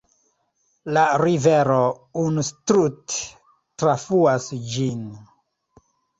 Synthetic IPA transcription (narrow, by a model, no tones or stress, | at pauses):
laɾiveɾounustɾutː | ɾafuasd͡ʒin